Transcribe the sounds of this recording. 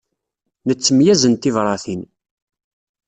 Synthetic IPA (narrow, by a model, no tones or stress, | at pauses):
nət͡sːəmjæzənt̪ivɾˤɑθin